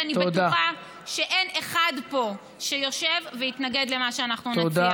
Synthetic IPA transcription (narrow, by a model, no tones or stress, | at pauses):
anit̪bat̪aa | ʃe̞ʔeneχadpo̞ | ʃejo̞ʃe̞vːejit̪naɡe̞d̪le̞maʃeanaχnunad̪a